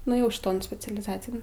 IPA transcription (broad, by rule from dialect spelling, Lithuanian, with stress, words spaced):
nʊeːˈjɛʊ ʃʲˈɪtoːn sʲpʲɛt͡sʲɛlʲɪˈzɑːt͡sʲɪjɛn